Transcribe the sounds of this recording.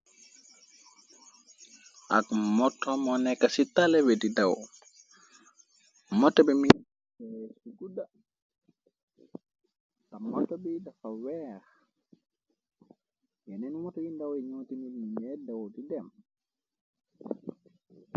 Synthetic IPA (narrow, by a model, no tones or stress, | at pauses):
ʔa̰kmɔtʰːɔmɔnɛkːasitːalɛwedidaw | mɔtːɔbimi | ɛsiɡuda | tamɔtːɔbidafawɛɾ | jɛnɛnmɔtɔindawɛɲotinilmiɲɛdawotidɛm